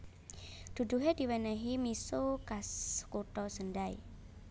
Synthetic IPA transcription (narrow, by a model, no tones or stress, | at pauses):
d̪̥ṳd̪̥ṳɦed̪̥i̤wɛnɛɦimisokaskuʈɔsənɖaḭ